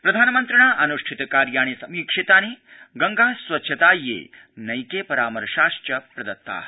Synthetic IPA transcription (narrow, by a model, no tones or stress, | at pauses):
pɾɐd̪ʱaːnɐmɐnt̪ɾɐɳaːʔɐnuʂʈʰit̪ɐkaːɾjaːɳisɐmjikʂit̪aːneːɡɐŋɡaːsʋɐtːt͡ʃʰɐt̪aːjːḛː | nɐjkeːpɐɾaːmɐɾɐʃaːʃʈɐpɾɐd̪ɐt̪ːa̰ː